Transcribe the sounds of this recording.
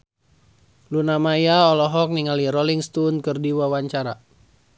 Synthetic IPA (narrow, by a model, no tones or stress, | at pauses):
lunamajaɔlɔɦɔk̚niŋaliɾɔliŋst̪unkɨrdiwawaɲt͡ʃaɾa